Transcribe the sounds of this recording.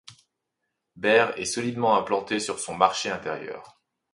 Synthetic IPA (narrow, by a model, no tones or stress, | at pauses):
bɛʁɛ̰sɔlid̪mɑ̃ɛ̃plɑ̃t̪esyʁsɔ̃maʁʃeɛ̃t̪ɛʁjœ̰ːʁ